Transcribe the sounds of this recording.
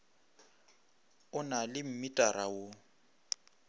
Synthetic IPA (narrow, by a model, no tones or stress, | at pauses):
ʊnalɪm̩mitʼaɾawo